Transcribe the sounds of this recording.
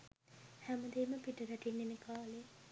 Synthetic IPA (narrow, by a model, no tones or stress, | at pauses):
hæməd̪eːməpiʈəɾæʈinːenekaːle